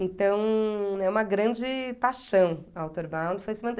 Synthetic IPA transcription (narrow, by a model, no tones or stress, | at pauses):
ẽt̪ɐ̃w̃ɛũmɐɡɾɐ̃d͡ʒɪpaʃɐ̃w̃ɐawt̪oɾbãw̃nd̪ɪfojsemɐ̃t̪